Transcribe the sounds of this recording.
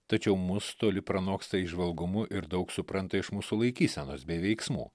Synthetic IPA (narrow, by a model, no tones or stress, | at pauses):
t̪ɐt͡ʃʲɛʊmʊst̪oːlʲɪpɾɐnoːkst̪ɐɪʒʋɐlˠɡʊmʊʔɪɾd̪ɐʊksʊpɾɐnt̪ɐɪʃmuːsʊlˠɐɪkʲiːsʲɛnoːsbʲɛɪʋʲɛɪksmṵː